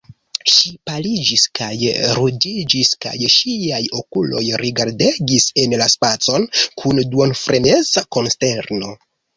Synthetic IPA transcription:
ʃipalid͡ʒiskajɾudid͡ʒiska̰jʃiajo̞kulo̞̰jɾiɡaɾde̞ɡise̞nlaspat͡so̞nkʰunduonfɾʔenezako̞nste̞ɾno̞

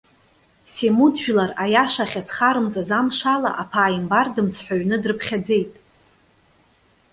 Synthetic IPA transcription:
semudʒᶣlarajaʂaχʲasχaɾɨmt͡sʼazamʂala̰ʔapʰaːimbardɨmt͡sʰħʷᶣaɥnɨdrɨpʰχʲad͡ze̞jtʼ

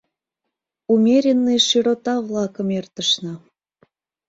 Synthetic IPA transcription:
umʲeɾʲenːeʃiɾot̪ɑβlɑkə̆mert̪əʃnɤ

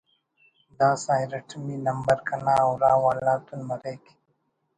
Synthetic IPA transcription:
d̪aːsaːjɾɐʈʰmiːnɐmbɐɾkʰɐnaːɐwɾaːwaːlaːt̪unmɐɾeːki̥

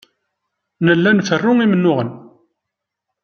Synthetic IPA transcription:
nəlːænfərːʊŋimənːʊʁən

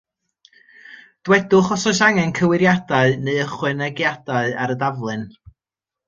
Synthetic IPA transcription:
d̥wɛdʊχɔsɔʃaŋɛnkʰəwɪɾjadaɨneðəχwɪnɛɡjad̥aɨaɾədavlˠɨn

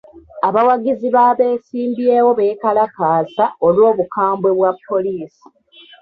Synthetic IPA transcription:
aβawaɡiziβaːβe̞ːsiːmbje̞ːwo̞βekalakaːsaolwo̞ːβukaːmbwe̞βwapːo̞liːsi̥

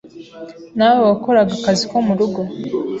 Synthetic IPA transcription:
nawewako̞ɾaɡakazikomuɾuɡo̞

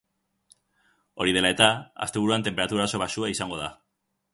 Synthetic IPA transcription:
o̞ɾið̞e̞lae̞t̪aa̰st̪e̞β̞uɾuant̪empeɾat̪uɾaso̞βasuaisaŋɡo̞ð̞a

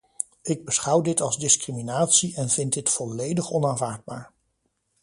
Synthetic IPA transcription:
ɪɡ̚bəsχʌwdɪtɑlˠzdɪskriminaːtsiʔɛnvɪndɪtfɔlejdəχɔnaːnvaːɹd̚baːɹ

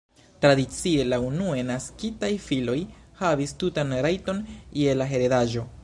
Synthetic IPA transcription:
tɾadit͡sie̞launuenaskitajfilo̞jhavistutanɾajto̞nje̞laɦe̞ɾedaʒo̞

